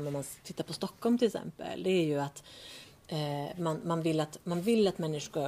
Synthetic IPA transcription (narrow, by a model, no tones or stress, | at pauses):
mːɔmant̪ʰɪt̪ːaɾpʰɔst̪ɔkːɔlmt̪ʰɪlksɛ̰mpə̰ld̪ɛæɾjɵat̪ | manmanvɪlːat̪manvɪlːat̪mɛnːɪʂʊ